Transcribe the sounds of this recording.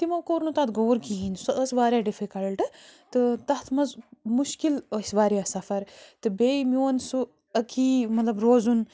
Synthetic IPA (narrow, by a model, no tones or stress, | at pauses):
t̪imɐwkoːɾnut̪ɐt̪ɡoːɾkiinsɐʔɐsʋaːɾʲjaɖifikɐɽɐlʈɨt̪ɨt̪ɐht̪ʰmɐzmuʃkilɐsʲʋaːɾjasɐfɐɾt̪ɨbeːimʲoːnsu | ɐkʰiːmɐt̪lɐbɾoːzun